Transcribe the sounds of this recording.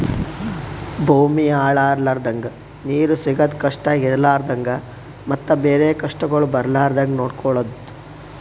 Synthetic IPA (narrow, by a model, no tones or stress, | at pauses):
bʱuːmiaːɭaːɾlaːɾd̪ɐŋɡɐ | niːɾusiɡɐd̪kɐʂʈɐiɾlaːɾd̪ɐŋɡɐ | mɐt̪ːɐbeːɾeːkɐʂʈɐɡɐɭubɐɾlaːɾd̪ɐŋɡnoːɽkʰɔɭɐd̪